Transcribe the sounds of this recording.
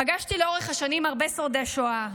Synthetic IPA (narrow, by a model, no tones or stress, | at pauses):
paɡaʃt̪ileo̞ʁeχhaʃanimaʁbesoʁd̪eʃoa